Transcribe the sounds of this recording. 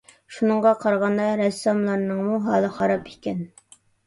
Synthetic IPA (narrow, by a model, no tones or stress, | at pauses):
ʃunɨɴʁɑqʰɑɾʁɑnd̪ɑɾɛsːɑmlˠɑɾnɨŋmuɦɑːlˠəχɑɾɑpʰikʲɛn